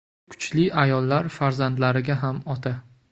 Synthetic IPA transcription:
kkʰʊ̥t͡ʃlɪʔajɒlˠːaɾfaɾzand̪laɾɪɡʲaɦamɒt̪ʰa

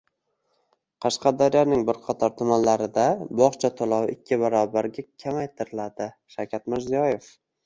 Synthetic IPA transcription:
qʰɑʃqɑd̪ɒɾjɒnɪŋbɪɾqʰɑt̪ʰɒɾt̪ʰʊmanlaɾɪd̪abɒχt͡ʃʰat̪ʰʊlˠɒwɪkʲːɪbaɾɒbaɾɡʲakʲʰamajt̪ʰɪɾɪlad̪ɪ | ʃawkʲʰat̪mɪɾzijɒjef

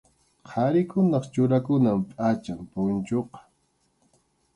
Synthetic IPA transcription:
qʰɑɾɪkʊnɑχt͡ʃʊɾakʊnampʼat͡ʃampʊnt͡ʃoqɑ̥

